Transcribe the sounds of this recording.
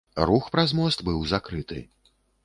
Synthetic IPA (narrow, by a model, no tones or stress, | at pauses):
ruxpɾazmɔst̪bɨwzakɾɨt̪ɨ̰